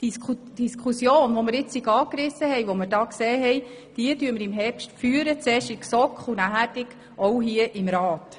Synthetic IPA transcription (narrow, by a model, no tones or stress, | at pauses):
d̥isud̥iskʰusjoːnʋɔmɪɾɪt͡ssiɡɑːkɾɪsːəhɛjʋɔmɪɾdɑːkseːɦɛj | d̥iətyːəməɾɪmɦɛɾpʃtfyːəɾət͡sɛːʃɪksɔkχunæɦæɾdɪk | ɔwɦiəʔɪmɾɑːt